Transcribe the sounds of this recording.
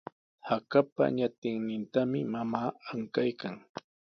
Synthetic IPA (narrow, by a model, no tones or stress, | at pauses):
hakapa̰ɲat̪ɪŋnɪnt̪amɪmamaːaŋkajkaŋ